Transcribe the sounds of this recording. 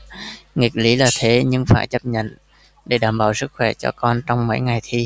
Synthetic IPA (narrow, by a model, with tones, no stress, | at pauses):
ŋi˨˩ək̚li˨˦laː˨˩t̪ʰe˨˦ɲɨ˧ŋfaː˧˩jt͡ɕə˦˥p̚ɲə̰˧˨n | ɗe˧˩˦ɗaː˧˩mɓaː˧˩wsɨ˦˥k̚xwɛ˧˩t͡ɕɔ̰˧kɔ˧nt͡ɕɔ˧wŋ͡mmə̰˧˥jŋa˨˩jt̪ʰi˧